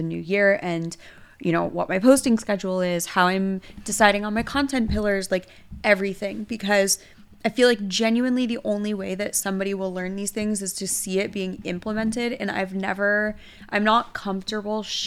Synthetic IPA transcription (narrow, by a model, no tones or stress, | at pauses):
ɨnʉ̰jɪɹɨ̃n | jɨñoʊwʌ̰t̚maɪpʰoʊstɪ̃ŋskɛd͡ʒul̩ˠɪz̥haʊãɪ̃md̥ɨsaɪɾɪ̃ŋə̃nmaɪkʰɑ̃ntʰɛ̃npʰɪlˠə˞zlaɪk | ɛvɹiθɪ̃ŋb̥ɨkʰʌz | aɪfilaɪk̚d̥ʒ̥ɛ̃njʉɨ̃nliðiʔõʊ̃nliweɪðɨtsʌ̃mbɑɾiwəlɜ̃˞nðiz̥θɪ̃ŋzɨz̥tʰɨsiɪt̚b̥iɪ̃ŋɪ̰̃mpləmɛ̃ntɪɾɨ̰̃ña̰ɪvnɛvə˞ | ʔã̰ɪ̃mnət̚kʰʌ̃ɱftə˞bl̩ˠʃ